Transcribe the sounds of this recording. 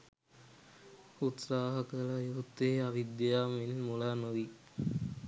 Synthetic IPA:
ut̪saːɦɐkələjuɦut̪ːeiaʋid̪ːjɐjaːmenmulaːnuʋi

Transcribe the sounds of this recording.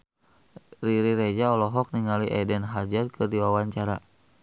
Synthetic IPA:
riɾiɾed͡ʒaɔlɔɦɔk̚niŋaliʔɛdɛnɦad͡ʒarkʰɨrdiwawaɲt͡ʃaɾa

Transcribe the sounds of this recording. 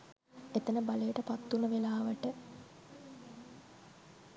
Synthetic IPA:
et̪ənəbalejəʈəpat̪ːunəʋelaːʋəʈə

